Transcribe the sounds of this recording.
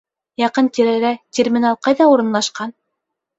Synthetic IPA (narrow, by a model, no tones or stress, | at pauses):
jɑqɤnt̪ʲiɾæɾæt̪ʲermʲɪnɑlˠqɑjðɑuɾɤ̆nlˠɑʃqɑn